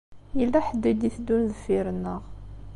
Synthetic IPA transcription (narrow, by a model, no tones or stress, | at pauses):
jilːæħəd̪ːid̪iθd̪unðəfːiɾnːəʁ